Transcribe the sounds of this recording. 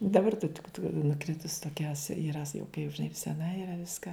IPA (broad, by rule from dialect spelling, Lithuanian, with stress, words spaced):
dɐˈbɐr tɐ tʲɪk nʊˈkrʲɪtʊs toːˈkʲɛ iːˈrɐ sɐ jɛʊ kɐɪ ʒʲɪˈnɐɪ sʲɛˈnɐ iːˈrɐ ˈʋʲɪskɐ